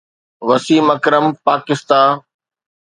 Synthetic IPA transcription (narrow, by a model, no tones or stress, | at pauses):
ʋɐsiːmɐkɾəmpaːkɪst̪aː